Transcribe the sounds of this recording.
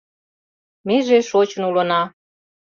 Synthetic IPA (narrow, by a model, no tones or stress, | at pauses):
meʒeʃot͡ɕə̆nulɤnɑ